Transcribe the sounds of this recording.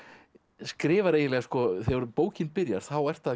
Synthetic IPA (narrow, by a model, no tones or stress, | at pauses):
skɾɪːvaɾeːjɪlɛɣaskɔθɛɣɔɾʏpoːwcɪnpɪɾjaɾ̥θawɛr̥t̪að